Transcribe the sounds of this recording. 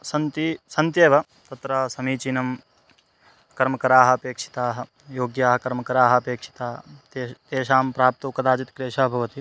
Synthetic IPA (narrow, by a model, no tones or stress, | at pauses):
sɐnt̪isɐnt̪jeːʋɐ | t̪ɐt̪ɾaːsɐmiːt͡ʃinɐm | kɐɾmɐkɐɾaːɦɐɐpeːkʂi̥t̪aːɦɐ̆ | joːɡjaːɦɐkɐɾmɐkɐɾaːɦɐɐpeːkʂi̥t̪aːt̪et̪eːʃaːmpɾaːp̚t̪ɐkɐd̪aːd͡ʒit̪kɾeːʃaːbʱɐʋɐt̪i